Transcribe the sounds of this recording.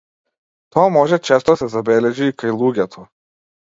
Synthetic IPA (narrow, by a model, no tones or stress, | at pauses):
t̪ɔːmɔʒɛt͡ʃɛst̪ɔsʲɛzabʲɛlʲɛʒikajlˠuːɡʲɛt̪ʰɔ